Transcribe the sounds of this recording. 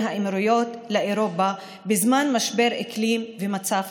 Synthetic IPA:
haʔemɾujo̞tleʔeɾo̞pa | bezmanmaʃbe̞ʁeklimvemat͡saf

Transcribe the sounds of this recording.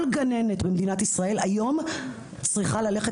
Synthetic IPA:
lɡane̞netbemdinatisʁae̞lajo̞m | t͡sʁiχalale̞χe

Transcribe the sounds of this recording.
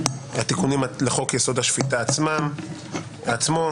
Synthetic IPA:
at̪ikunimaleχo̞kjeso̞d̪haʃfit̪aːt͡smam | at͡smo

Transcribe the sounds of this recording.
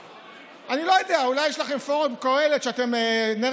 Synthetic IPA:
anilo̞jodeaulajːɛʃlaχe̞mfoʁobkoeletʃeate̞mene

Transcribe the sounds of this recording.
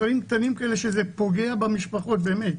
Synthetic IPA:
aʁimkt̪animkaeleʃezepo̞ɡe̞abamiʃpaχo̞t̪̚beːmet

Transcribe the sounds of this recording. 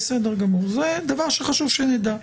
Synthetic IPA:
sed̪eʁɡamuʁzed̪avaʁʃeχaʃuvʃened̪a

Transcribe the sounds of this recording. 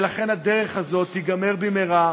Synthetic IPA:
laχe̞nad̪eʁeχhazo̞t̪ːiɡame̞ʁbimeʁa

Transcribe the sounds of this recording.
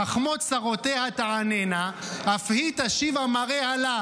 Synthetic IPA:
aχmot̪saʁot̪ehat̪aʕanenaafhit̪aʃivamaʁehala

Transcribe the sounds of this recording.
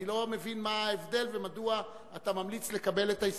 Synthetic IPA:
ilo̞me̞vinmaːevd̪e̞lvemadua | atamamlit͡sle̞kabe̞letais

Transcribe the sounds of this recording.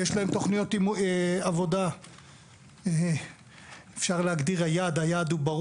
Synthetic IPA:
jeʃlaemt̪o̞χnijo̞t̪imavo̞d̪a | efʃaʁleaɡd̪iʁhajad̪ajaːd̪ubaʁ

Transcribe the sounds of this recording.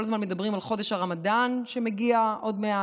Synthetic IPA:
olazmanmed̪abʁimalχo̞d̪eʃhaʁamadanʃe̞meɡiaʔo̞dmea

